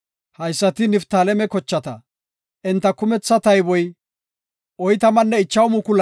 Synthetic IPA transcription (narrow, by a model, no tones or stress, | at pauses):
hɐjsːɐt̪ɪnɪft̪aːlɛmɛkɔt͡ʃːɐt̪ɐ | ʔɪnt̪ːɐkʊmɛt͡sːɐt̪ɐjbɔj | ʔɔjt̪ɐmɐnːɛɪt͡ʃːɐwʊmʊkʊl